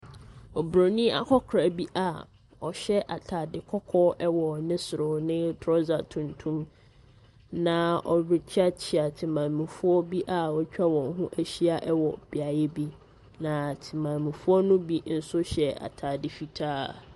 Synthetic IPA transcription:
ɔ˨bɾo˨nĩ˦a̰˦kʰɔ˦kʰɾa˨bi˦ʔa˨ | ɔ˨ɕɛ˦ʔa˨tʰaː˨dɪ˨kʰɔ˦kʰɔ˦ʔɛ˦wɔ˨nɪ̃˦sʊ˨ɾʊ˨nɪ̃˦tʰɾɔ˦za˨tʰũ˨ntʰũ˦m | nã˦ɔ˨ɥɪ˨t͡ɕʰᶣa˦t͡ɕʰɪ˨a˨tʰɪ˨mã˨nmĩ˨fʊ˦ɔ˦bi˦ʔa˨wɔ˨t͡ɕᶣa˦wɔ̃˨ŋ˦ɦʊ̃˦ʔæ˦ɕi˦a˦ʔɛ˦wɔ˨b̥i˨a˨jɛ˦bi˦ | nã˨tʰɪ˨mã˨nmɪ̃˨fu˦ɔ˦nʊ̃˦bi˦n̩˦sʊ˦ɕɛ˨a̰˨tʰa˨dɪ˨fi˨tʰaː˦

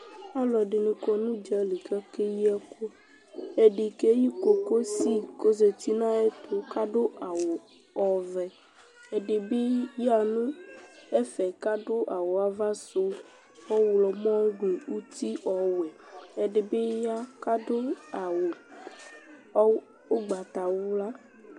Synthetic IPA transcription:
a˦lɔ˨ɖe˨nĩ˨kɔ˦nũ˦d͡ʒɛ˦li˨ka˦ke˦ji˦ɛ˦ko˦ | e˨ɖi˨ke˦ji˦ko˨ko˦si˦ko˦ze˨t̪i˦nã˦e˦t̪o˨ka˦ɖo˦ʔa˨wo˨ | ɔ˨vɛ˨ | e˨ɖe˨be˦ja˦nũ˦ɛ˦fɛ˨ka˦ɖo˦ʔa˨wo˨a˨va˦so˦ | ɔ˦wlɔ˨mɔ̃˦ɖe˨u˦t̪i˦ʔɔ˨wɛ˨ | e˨ɖe˨be˦ja˦ka˦do˦a˨wo˨˦ | o˦ɡ͡ba˨t̪a˨wu˦la˦

